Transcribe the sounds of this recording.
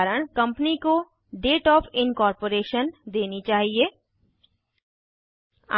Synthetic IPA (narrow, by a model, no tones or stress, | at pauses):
ɾəɽ̃kɐ̃mpniko | ɖeːʈɔːfɪnkɔːɾpoːɾeːʃənd̪eːnit͡ʃaːɦieː | a